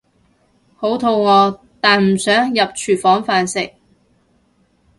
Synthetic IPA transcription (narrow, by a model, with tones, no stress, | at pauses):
ho˨˥wt̪ʰo˧wŋɔː˨˧ | t̪aː˨nm̩˨˩sœː˨˥ŋjɐ˨p̚t͡ʃʰyː˨˩fɔː˨˥ŋfaː˨nsɪ˨k̚